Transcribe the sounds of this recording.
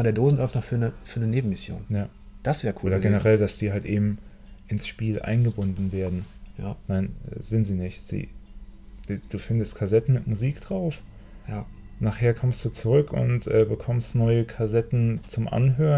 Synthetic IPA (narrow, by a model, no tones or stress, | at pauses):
mdeɐdoːzn̩lɔɪftnɔχfyːɐnəfyːɐnəneːbm̩mɪsjo̰ːnjaː | d̥asv̥eːkʰuoːdɐɡɛnəʁɛldasd̥iːɦaltʔeːbm̩ | ʔɪnsʃpiːlʔa̰ɪnɡəbʊndn̩veːɐdn̩ja̰naɪnɛ̰ːzɪntz̥iːnɪçz̥ḭ̥ː | d̥uːfɪndəstkʰazɛtn̩mɪtmuziːkd̥ʁaʊf | ja | naːχheːɐkʰɔmstd̥uːt͡suʁʏkʰʊ̰ntʔɛːbəkʰɔmstnɔʏəkʰazɛtn̩t͡sʊmʔa̰nɦøː